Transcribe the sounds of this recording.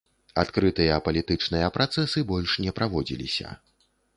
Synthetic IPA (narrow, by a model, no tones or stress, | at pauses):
at̪kɾɨt̪ɨjɐpɐlʲit̪ɨt͡ʂnɨjɐpɾat̪sɛsɨbɔlʲʂnʲɛpɾʔavɔd͡zʲḭlʲḭsʲɐ̰